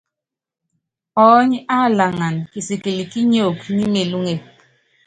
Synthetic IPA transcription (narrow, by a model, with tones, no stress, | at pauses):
ɔː˨˦ɲi˦ʔa˦˨la˨ŋa˨nki˨si˨ki˨li˨ki˦ɲo˦˨kni˦me˨lu˦ŋe˨